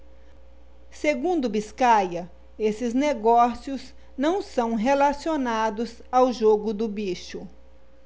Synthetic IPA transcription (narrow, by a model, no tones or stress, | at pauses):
seɡũnd̪ʊbiskajɐ | esɪzneɡɔsiʊz | nɐ̃w̃sɐ̃w̃ɦelasionad̪ʊz | awʒoɡʊd̪ʊbiʃʊ